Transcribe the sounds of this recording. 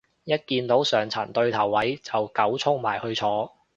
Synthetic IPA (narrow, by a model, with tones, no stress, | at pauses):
jɐ˥t̚kiː˧nt̪o˨˥wsœː˨˩ŋt͡sʰɐ̰˨˩nt̪ɵ˧ɥt̪ʰɐ˨˩wːɐ˨˥jt͡sɐ˨wkɐ˨˥wt͡sʰʊ˥k̚maː˨˩jhɵ˧ɥt͡sʰɔː˨˧